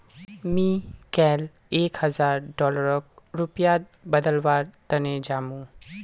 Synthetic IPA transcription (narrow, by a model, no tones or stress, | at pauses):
mĩkɛːl | eːkhəzaːɾɖɔːləɾɔk̚ɾʊpja | bəd̪əlʋaːɾt̪əned͡ʒaːmũ